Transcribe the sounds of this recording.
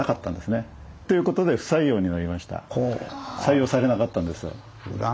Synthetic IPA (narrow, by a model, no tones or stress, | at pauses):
akat̪ːãnd̪e̞sɨne̞ | t̪o̞jɯ̟ko̞t̪o̞d̪e̞ɸɯ̟̥saijo̞ːɲ̟inaɾʲimaɕi̥t̪a̰osaijo̞ːsaɾe̞nakat̪ːãnd̪e̞sɨjo̰